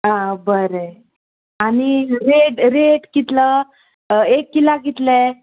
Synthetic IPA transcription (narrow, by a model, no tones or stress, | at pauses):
ãbəɾe | aɽ̃iɾeɖɾeʈkit̪lə | ekːilaɡit̪lɛ